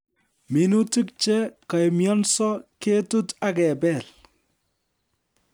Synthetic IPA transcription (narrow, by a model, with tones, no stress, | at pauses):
mi˨nu˦ti˦k̚t͡ʃɛ˦ka˨jmjɔ˦nsɔ˦ke˦tu˦ta˦kɛ˨bɛ˨l